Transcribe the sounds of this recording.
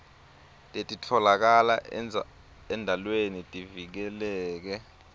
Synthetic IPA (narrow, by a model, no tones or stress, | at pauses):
tʼetʼitʰɔlak̬ala | ɛndʱalwenitʼivik̬ɛlɛːk̬ɛ